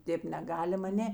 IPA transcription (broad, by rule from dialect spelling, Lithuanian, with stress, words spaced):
ˈtʲeːp nʲɛˈɡɑːlʲɪm ɐˈnʲeː